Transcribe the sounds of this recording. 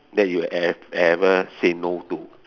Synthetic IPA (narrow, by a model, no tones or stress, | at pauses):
dɛt̚juɛɛvəsenotu